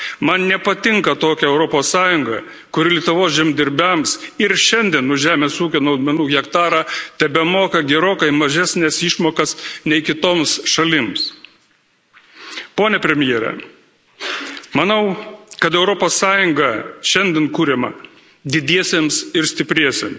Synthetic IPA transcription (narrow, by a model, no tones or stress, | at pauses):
mɐnnʲɛpɐt̪ʲɪŋkɐt̪oːkʲɛɛʊɾɔpoːsːɑːjʊŋɡɐ̰ | kʊɾʲɪlʲiɛt̪ʊʋoːsʒʲɛmd̪ʲɪɾʲbʲɛmsɪɾʃʲɛnʲd̪ʲiɛnːʊʒʲæːmʲeːsuːkʲoːnɐʊd̪ʲmʲɛnuːɣʲɛkt̪ɑːɾɑt̪ʲɛbʲɛmoːkɐɡʲɛɾoːkɐɪmɐʒʲæːsʲnʲɛsɪʃmoːkɐsnʲɛɪkʲɪt̪oːmsʃɐlʲɪms | poːnʲɛpʲɾʲɛmʲɪjɛːɾʲɛ̰ | mɐnɐʊkɐt̪ɛʊɾɔpoːsːɑːjʊŋɡɐʃʲɛnd̪ʲɛnkuːɾʲɛmɐ̰ | d̪ʲɪd̪ʲiɛsʲeːmsɪɾsʲt̪ʲɪpʲɾʲiɛsʲḛms